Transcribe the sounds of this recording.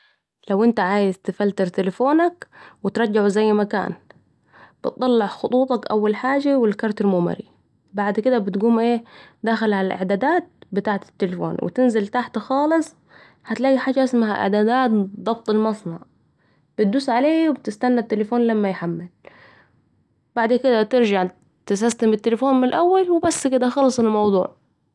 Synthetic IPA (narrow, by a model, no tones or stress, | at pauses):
lawʔɪnt̪aʕaːjɪzt̪ɪfalt̪ɪɾt̪ɪlɪfoːnakwɪt̪ɾˤɑd͡ʒːɪʕuzajːmaka̰ːn | b̥ɪ̰t̪̚t̪ˤːɑlːɑʕxʊt̪ˤuːt̪ˤɑkʔawːalħaːd͡ʒawɪlkɑɾˤt̪ɪɾmʊma̰ɾi | baʕd̪kɪd̪abɪt̪ɡuːmʔeːd̪aːxɪlhalalʔɪ̰ʕd̪aːd̪aːt̪̚bɪt̪aːʕt̪ɪ̥t̪ːɪlɪfo̰ːnwɪ̰t̪ɪnzɪlt̪aħt̪axɑːlɨsˤ | hat̪laːɡiħaːd͡ʒːaʔɪsmaɦaʔɪ̰ʕd̪aːd̪aːt̪d̪ˤɑb̚t̪ˤɪlmɑsˤnɑ̰ʕ | b̥ɪt̪̚d̪uːsʕaleːwɪb̚t̪ɪst̪anːat̪ːɪlɪfoːnlamːajħamːɪl | baʕd̪kɪd̪at̪ɪɾʒaʕ | t̪ɪsast̪ɪmɪt̪ːɪlɪfoːnmɪlʔawːalwɪbasːkɪd̪axɑlːɑsˤɪlmɑwd̪ˤṵːʕ